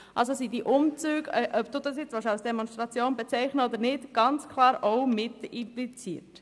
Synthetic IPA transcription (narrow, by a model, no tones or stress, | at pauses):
ʔɑls̬osidiʔʊmt͡syːɡʔœpd̥̪uːd̥̪ɑsjɪt͡sʋɑʃɑlsd̥̪ɛmonstʁɑt͡sjoːnbet͡sɛɪχnəod̪əɾnɪtɡ̥ɑnt͡skʰlɑːɾowmɪtɪmplit͡sḭːəɾt